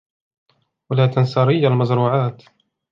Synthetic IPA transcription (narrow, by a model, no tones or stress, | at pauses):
walaːt̪ansɑːɾɪjːalmazɾuːʕaːt̪